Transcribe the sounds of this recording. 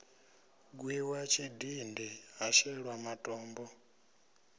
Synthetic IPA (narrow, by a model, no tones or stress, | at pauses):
ɡwiwat͡ʃʰidindiaʃɛɺwamatʼɔːmbɔ